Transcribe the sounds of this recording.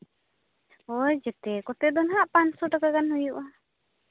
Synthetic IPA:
ɔjd͡ʒɛt̪ɛkɔt̪ɛd̪ɔnɦaʔpaɲsɔʈakakanɦujuʔa

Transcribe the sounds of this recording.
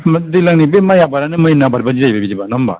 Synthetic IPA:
mdilaŋnibemajabaɾanɯmajnabaɾbad͡ʒiɾajbabid͡ʒibanɔmba̰

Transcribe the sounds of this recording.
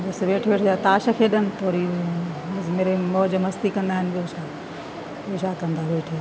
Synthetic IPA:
bɐsʋeːʈʰʋeːʈʰaːt̪aːʃəkʰeɗənɪ̆t̪oːɾi | meːɾemɔːd͡ʑəmɦɐst̪ikɐ̃nd̪aːɦɪnbiosʰãː | eːʃaːkɐ̃nd̪aːʋeːʈʰː

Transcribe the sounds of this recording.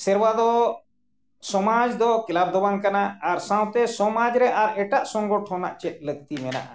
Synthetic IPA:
sɛɾwad̪ɔ | sɔmad͡ʒd̪ɔkɛlab̚d̪ɔbaŋkanaːɾsãw̃t̪ɛsɔmad͡ʒɾɛʔaɾɛʈaʔsɔŋɡɔʈʰɔna̰ʔt͡ʃɛt̪̚ˀləɡt̪imɛna̰ʔa

